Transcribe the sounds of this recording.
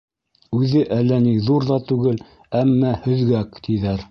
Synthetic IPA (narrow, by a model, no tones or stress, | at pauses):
ʉðɘʔælːæniðuɾðɑt̪ʉɡɘl | æmːæhɵ̆ðɡækt̪iðæɾ